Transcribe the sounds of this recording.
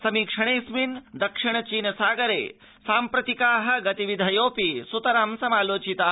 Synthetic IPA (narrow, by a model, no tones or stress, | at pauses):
sɐmiːkʂɐɽ̃eːsmind̪ɐkʂiɳ̃ɐt͡ʃiːnɐsaːɡɐɾḛː | saːmpɾɐt̪ikaːɦɐ̆ɡɐt̪iʋid̪ʱɐjoːpisut̪ɐɾamsɐmaːloːt͡ʃit̪aː